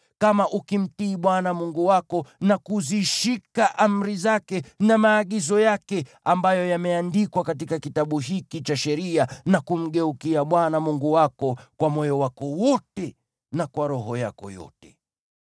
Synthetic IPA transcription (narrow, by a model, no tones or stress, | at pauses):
kamaʔukim̩tiːɓwanamuŋɡuwakɔnakuziʃikaʔam̩ɾizakɛnamaːɠizɔjakɛ | ambajɔjamɛandikwakat̬ikakitaɓuɦikit͡ʃaʃɛɾianakum̩ɠɛukiaɓwanamuŋɡuwakɔkwamɔjɔwakɔwɔtɛ | nakwaɾɔɦɔja̰kɔ̰jɔ̰tɛ̥